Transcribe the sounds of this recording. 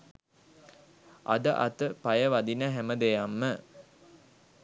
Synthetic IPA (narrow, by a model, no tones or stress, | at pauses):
ʔa̰d̪əʔa̰t̪əpajəʋad̪inəɦæməd̪ejamːə